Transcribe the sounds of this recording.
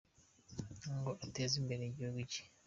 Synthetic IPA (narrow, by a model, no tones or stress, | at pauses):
ŋɡoʔateːziːmbeɾeɟiuɡwici̥